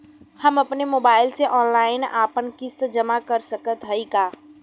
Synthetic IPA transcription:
həməpnemoːbaːɪlseʔɔːnlaːɪna̰ːpənkɪst̪d͡ʒəmakəɾsəkət̪ɦəikaː

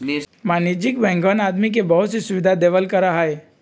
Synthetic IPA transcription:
maːnid͡ʒɪkbɛ̃ŋɡʋənaːd̪mik̬ebɐɦʊt̪sisʊʋɪd̪ʱad̪eːʋəlkɐɾaɦaɦɛː

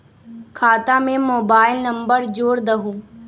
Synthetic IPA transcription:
kʰaːt̪ãmẽmoːbaːɪlnəmbəɾd͡ʒoːɾd̪ɐɦũː

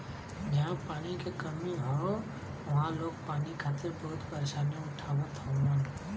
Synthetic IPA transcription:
d͡ʒɐɦãpaːnikekɐmiɦo | ʋɐɦãloːɡ̚paːnikʰaːt̪ebɐɦʊt̪pəɾeːʃaːnijõʊʈʰaːwõt̪ʰaən

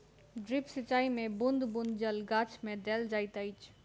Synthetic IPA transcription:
ɖɾipsət͡ʃːaːimẽbʊnd̪bʊ̃nd̪d͡ʒəlɡat͡ʃʰmẽd̪eːld͡ʒaːɪt̪aɪt͡ʃʰ

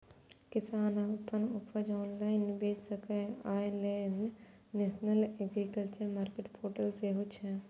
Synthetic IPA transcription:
kɪsaːnapːənʊpəd͡ʒɔːnlaːɪnbeːt͡ʃsəkẽaːjlen | nːeːsnəleɡɾikəlt͡ʃəɾmaːɾkeʈpʰoːɾʈəlseɦot͡ʃʰɛ

